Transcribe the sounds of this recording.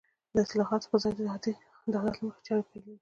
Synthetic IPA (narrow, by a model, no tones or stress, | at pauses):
d̪əɪslɑɦɑt̪o̥pəzɑjd̪əd̪at̪i | nd̪ɑlat̪ləməxḁt͡ʃɑwepajlewi